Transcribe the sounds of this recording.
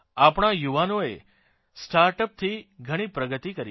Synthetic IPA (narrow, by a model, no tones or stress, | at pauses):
apɳ̃ajuʋanoe | sʈaɾʈəp̚t̪ʰiɡʱəɽ̃ipɾəɡət̪ikəɾi